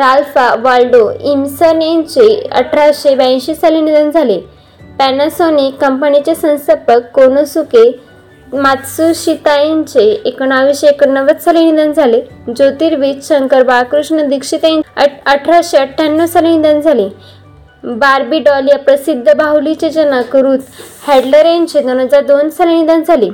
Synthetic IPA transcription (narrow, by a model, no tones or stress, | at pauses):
ɾalfaʋalɖoimsənent͡ɕeə̰ʈʰɾaɕebãɕiːsalinid̪ənd͡zʱale | pænəsonikːəmpənit͡ɕesə̃w̃səpəkːonosuke | mat̪suɕit̪ajeɲt͡ɕeːkəɳaʋiɕeːkənːəʋət͡ssalinid̪ənd͡zʱaled͡zot̪iːɾʋit͡ɕɕəŋkəɾbakɾuʂɳəd̪ikʂit̪aəʈʰɾaɕeəʈʰjanːosalinid̪ənd͡zʱale | baɾbiɖɔliapɾəsid̪ʱːəbaulit͡ɕed͡ʑənakəɾuːt̪hɛɖləɾent͡ɕed̪onəd͡zad̪onsalenid̪ənd͡zʱali